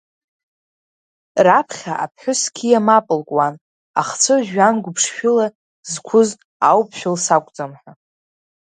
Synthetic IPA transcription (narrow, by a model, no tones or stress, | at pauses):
rapʰχʲaʔapʰħʷʊskʲʰijamapʼɨlkʼwan | a̰χt͡sʰɨʒᶣanɡʷʊpʰʂʃᶣʊla | zkʷʰʊz | awpʰʃᶣʊlsakʷʼt͡sʼamħʷᶣa